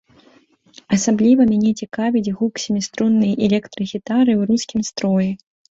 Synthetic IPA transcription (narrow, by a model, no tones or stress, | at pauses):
ɐsablʲivɐmʲanʲɛt͡sʲikavʲid͡zʲɣuksʲimʲist̪ɾunːɨjɐʔɛlʲɛkt̪ɾɨɣʲit̪aɾɨwɾuskʲimst̪ɾɔjɛ